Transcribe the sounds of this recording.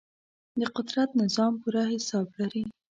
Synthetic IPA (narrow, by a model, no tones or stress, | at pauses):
d̪əqʊd̪ɾat̪nɪzɑmpuɾahɪsɑblaɾi